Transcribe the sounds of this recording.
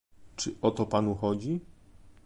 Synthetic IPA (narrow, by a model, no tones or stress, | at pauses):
t͡ʂɘʔɔt̪ɔpanuxɔd͡ʑi